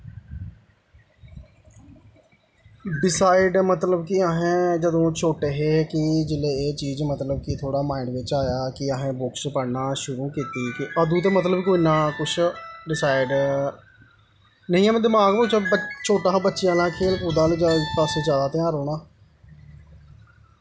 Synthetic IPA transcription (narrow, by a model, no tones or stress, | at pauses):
ɖɪsaːɪɖmət̪ləbkɪəɦẽːd͡ʒəd̪õːt͡ʃʰoːʈeːɦeːkɪd͡ʒɪleːeːt͡ʃiːzmət̪ləbkit̪ʰoːɽaːmaːɪɳɖʋɪt͡ʃaːjaːkɪəɦẽːbʊkspəɽnaːʃʊɾuːkiːt̪iːkɪʔəd̪ũːt̪̬eːmət̪ləbkoːinaːkʊt͡ʃʰɖɪsaːɪɖ | nəɦĩːɛːməd̪ɪmaːɡməkt͡ʃːt͡ʃʰoːʈaːbətːʃɪjãːlãːkʰeːlkuːd̪ãːliːd͡ʒaːkəsːzjaːd̪aːt̪ɪ̃ãːɾɦoːɽ̃aː